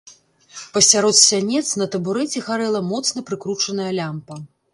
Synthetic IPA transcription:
pɐsʲaɾɔt̪sʲanʲɛt̪sn̪ɐt̪ɐbuɾɛt͡sʲɛxaɾɛlˠɐmɔt̪snɐpɾɨkɾut͡ʂɐnɐjɐlʲampɐ

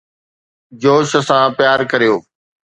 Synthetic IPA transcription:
d͡ʑoːʃəsãːpjaːɾkɐɾijoː

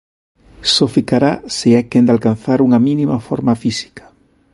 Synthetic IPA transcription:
sofikaɾaseajkend̪alkan̟θaɾuŋɐminimafoɾmafisi̥kḁ

